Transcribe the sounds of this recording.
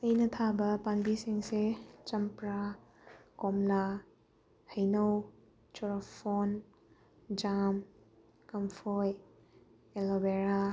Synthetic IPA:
ɐjnɐt̪ʰabɐpanbisiŋset͡ʃɐmpɾa | kɔmla | hɐjnɐw | t͡ʃɔɾɔpʰɔn | d͡ʒam | kɐmpʰɔj | elobeɾa

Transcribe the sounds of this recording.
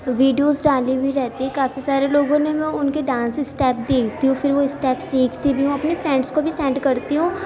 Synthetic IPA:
ʋiːɖijoːzɖaːlibʱiɾɛɦt̪iɦɛ̃kaːfisaːɾeloːɡõnemɛ̃ʊnkeɖãːnsɪsʈɛːp̚d̪eːkʰt̪iɦũfɪɾʋoɪsʈɛːpsiːkʰt̪ibʱiɦũɐpnefɾɛ̃ːɳɖskobʱisɛ̃ːɳɖkɐɾt̪iɦũː

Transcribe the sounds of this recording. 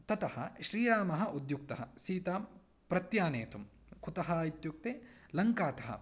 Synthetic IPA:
t̪ɐt̪ɐhɐʃɾiːɾaːmɐɦɐ̆ʔud̪juk̚t̪ɐɦɐsiːt̪aːm | pɾɐt̪jaːnḛːt̪um | kʰut̪ɐɦɐit̪juk̚t̪eːlɐŋkaːt̪ɐɦɐ̰

